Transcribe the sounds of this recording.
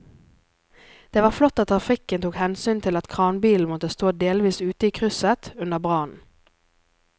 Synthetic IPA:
d̪̥eːʋɑːʁflɔt̪ːɑt̪t̪ːʰʁɑfɪkənt̪uːkhɛnsyːnt̪ʰɪlɑt̪kʰʁɑːnbiːln̩mɔt̪əst̪oːd̪eːlʋiːsʉːt̪əiːkʰʁʉsət̪ʉnəʁbʁɑːnn̩

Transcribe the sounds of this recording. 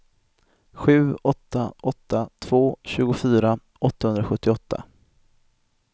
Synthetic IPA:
ɧʉ̟ːɔt̪ːaʔɔt̪ʰːat̪ʰv̥oːɕʉ̟ːɡʊfyːɾa | ʔɔt̪ːahɵnd̪ɾaɧɵt̪ːɪɔt̪ʰːa̰

